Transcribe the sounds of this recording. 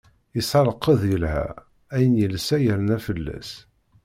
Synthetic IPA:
isɑlˤəqːəðjəlhæ̰ | æjənjəlsæjəɾənæfəlːæ̰s

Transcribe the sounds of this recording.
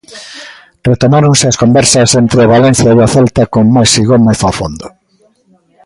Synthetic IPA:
ret̪onaɾoŋseɐskombɛɾsɐsent̪ɾeɪaβalɛnθjaeaθɛlt̪ɐkoŋmajsiɣomeθafo̰nd̪o

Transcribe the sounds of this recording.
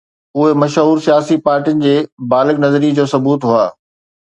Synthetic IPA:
ʊɦemɐʃɦuːɾsijaːsipaːɾʈijʊnɪ̆d͡ʑeːbaːlɪknɐzəɾid͡ʑoːsɐbuːt̪ɦuaː

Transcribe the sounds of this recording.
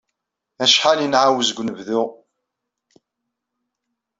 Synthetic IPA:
æʃħalənʕawzɡʷnəvðʊʁ

